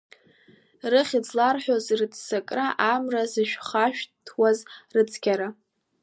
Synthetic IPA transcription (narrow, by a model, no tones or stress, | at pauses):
rɨχʲid͡zlarħʷᶣozrɨt͡sʰʼsakʼraʔamrazɨʃᶣχaʃᶣtʰwazrɨt͡sʰɡʲaɾa